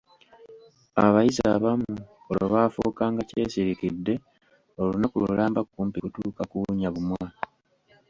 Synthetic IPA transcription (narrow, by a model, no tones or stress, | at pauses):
a̰βajiza̰βamu | oloβaːfoːkaːŋɡace̞ːsiɾikidːe̞ | o̞lunakṵlulaːmbakukuːmpikutuːkakuɲaβumwaː